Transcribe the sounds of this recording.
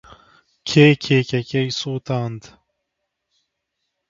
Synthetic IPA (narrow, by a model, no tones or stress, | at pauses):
kʰeːkʰeːkɛkʲɛjsuːt̪aːnd̪